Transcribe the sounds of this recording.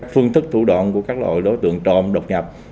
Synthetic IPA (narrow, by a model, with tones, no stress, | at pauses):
k̚fɨ˧əŋt̪ʰɨ˦˥k̚t̪ʰu˧˩ɗa̰˧˨nku˧˩əkaː˦˥k̚lo̰˧˨jɗo˨˦jt̪ɨ̰˧˨əŋt͡ɕɔ˨˩mɗə˨˩wk͡p̚ɲa˨˩p̚